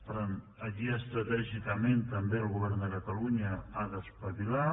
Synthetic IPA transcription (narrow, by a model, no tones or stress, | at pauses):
pɾan | əkiəst̪ɾət̪ɛʒikəment̪əmbeəlˠɣuβɛɾnd̪əkət̪əluɲəaðəspəβila